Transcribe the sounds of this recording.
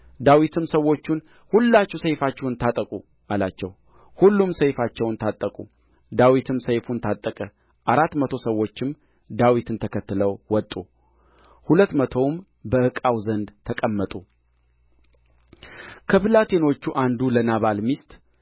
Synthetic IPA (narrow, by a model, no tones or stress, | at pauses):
d̪awit̪ʰɨmsəwːo̞t͡ʃːun | hulːat͡ʃːɛwsəjfat͡ʃːɛwnt̪ʰat̪ʼəkʼu | ʔalat͡ʃːɛw | hulːumsəjfat͡ʃːɛwnt̪ʰat̪ʼːəkʼṵ | d̪awit̪ʰɨmsəjfunt̪ʰat̪ʼːəkʼə | ʔaɾat̪ːmət̪ʰo̞səwːo̞t͡ʃːɪm | d̪awit̪ɨnt̪ʰəkʰət̪ːɨləwwɔt̪ʼu | hulət̪ːmət̪ʰo̞m | bəɨkʼawzənd̪t̪ʰəkʼəmːət̪ʼu | kʰəpɨlat̪ʰe̞no̞t͡ʃːuʔand̪ulənaβalmist̪ʼ